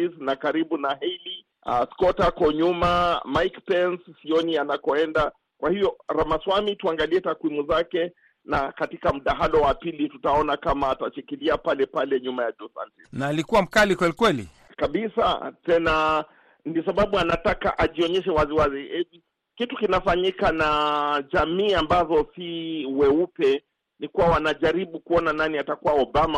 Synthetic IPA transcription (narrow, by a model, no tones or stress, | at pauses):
isnakaɾiɓunaɦɛli | askɔtakɔɲumamajkpɛnsːiɔnianakɔɛnda | kwahivjɔɾamaswamituaŋɡaliɛtakwimuzakɛ | nakatikam̩ɗaɦalɔwapilitutaɔnakamaːtat͡ʃikiliapalɛpalɛɲumajadusa̰ntinaːlikuwam̩kalikwɛlikwɛlḭ | kabisa̰tɛna | nis̬aɓaɓuanataka̰ʔaʄiɔɲɛʃɛwaziwaziɛvi | kitukinafaɲikanaʄamiːambazɔsiwɛupɛ | nikuwawanaʄaɾiɓukuɔnananiatakuwaɔbama